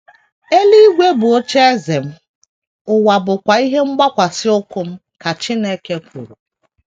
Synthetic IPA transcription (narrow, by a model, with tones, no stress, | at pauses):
e˦li˦i˦ɡʷe˦bʊ˨o˦t͡ʃe˦e˦ze˨m̩˦ | ʊ˨wa˨bʊ˨kʷa˨i˦ɦe˦ŋ͡m̩˦ɡ͡ba˦kʷa˨sɪ˦ʊ˦kʊ˦m̩˦ | ka˨t͡ʃi˦ne˦ke˦kʷṵ˨ɾu˨